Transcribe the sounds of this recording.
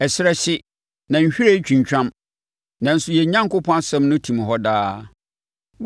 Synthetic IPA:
ɛ˨sɪ˦ɾɛ˦ɕɪ˦ | nã˨ɲ̩˨ɕᶣi˦ɾe˦t͡ɕᶣĩ˨ɲ˨t͡ɕᶣã˦m | nã˨n̩˦sʊ˦˨jɛ˨˦ɲã˦ŋkʊ˦pʰɔ̃˦a˦sɛ̃˦mnʊ̃˦tʰĩ˨m˨ɦɔ˦daː˦

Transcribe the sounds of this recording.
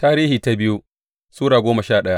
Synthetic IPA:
taː˦ɾiː˦hiː˨ta˦bɪ˦ju˦ | suː˦ɽaː˨ɡʷoː˦mɐ˨ʃaː˦˨ɗɐ˦ja˦

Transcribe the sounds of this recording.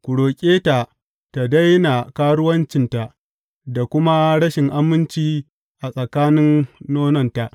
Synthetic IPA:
kʷʊ˨ɽoː˨kʲʼeː˦ta˨ | ta˨da˦jna˨kaː˦ɽʊ˦wɐ˦nt͡ʃɪ˨nta˨ʔ | da˨kʷʊ˦ma˦ɽɐ˦ʃɪ˨ŋʔa˦mɪ˦nt͡ʃiː˦ | ʔa˨sʼɐ˨kaː˦nɪ˦nːoː˦nɐ˨nta˨ʔ

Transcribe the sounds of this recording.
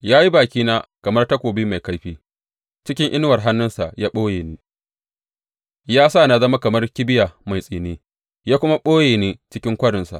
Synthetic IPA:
jaː˦ji˦baː˨kʲiː˦naː˦kɐ˨mɐ˦rta˦kʷoː˨biː˦ma˨jka˦jɸiː˦ | t͡ʃɪ˦kʲɪ˦ŋʔɪ˦n˦wɐ˨rɦa˦nːʊ˦nsa˨ʔjaː˦ɓoː˦jeː˨niː˦ | jaː˦sa˦˨na˨zɐ˦ma˦kɐ˨mɐ˦rkʲɪ˦bɪ˦ja˨ma˨jsʼiː˨neː˦ | jaː˦kʷʊ˦ma˦ɓoː˦jeː˨neː˦t͡ʃɪ˦kʲɪ˦ŋkʷɐ˦ɽɪ˨nsa̰˨ʔ

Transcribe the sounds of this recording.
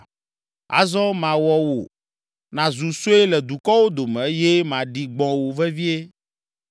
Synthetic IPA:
a̰˨zɔ̃˦mã˨wɔ˦wo̰˨ | nã˨zu˨so˦e˦lɛ˨d̪u˨kɔ˦wo˦d̪o˨mɛ̃˨je˦mã˨ɖi˨ɡ͡bɔ̃˦wo˨vɛ˦vi˦e˦

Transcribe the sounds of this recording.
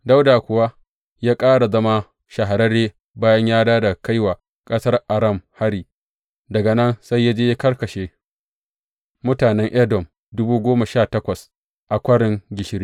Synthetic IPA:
da˦wdaː˨kʷʊ˨wa˦ | jaː˦kʼaː˦ɽa˨zɐ˦ma˦ | ʃɐ˨ɦa˨ɾɐ˦ɽeː˦ | baː˦jɐ˦ɲjaː˦daː˦da˨ka˦jwaː˨ | kʼɐ˦sɐ˦rʔa˨ɾɐ˦˨mha˦ɽiː˨ | dɐ˨ɡɐ˨nɐ˦nsa˦jːa˦d͡ʒeː˦ja˦kɐ˦rkɐ˨ʃeː˨ | mʊ˦taː˨nɛ˦ŋʔɛ˦dɔ˨m | dʊ˦buː˦ɡʷoː˦ma˨ʃaː˦˨tɐ˦kʷɐ˨s | ʔa˨kʷɐ˦ɽɪ˨ŋɡʲɪ˨ʃɪ˦ɾiː˦

